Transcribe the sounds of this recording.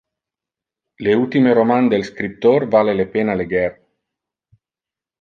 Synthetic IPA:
leult̪imeɾomand̪elskɾip̚t̪orvalelepenaleɡɛr

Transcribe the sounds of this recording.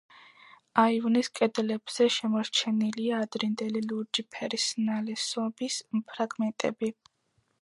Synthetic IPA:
aivniskʼɛd̪lɛbz̥ɛʃɛmɔɾt͡ʃʰɛniliaːd̪ɾind̪ɛliluɾd͡ʒipʰɛɾisnalɛsɔbispʰɾaɡmɛnt̪ʼɛ̰bi

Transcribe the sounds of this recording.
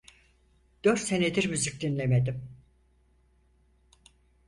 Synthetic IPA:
d̪̥øɾt̪se̞ned̪iɾmyzyc̚d̪inlʲeme̞d̪im

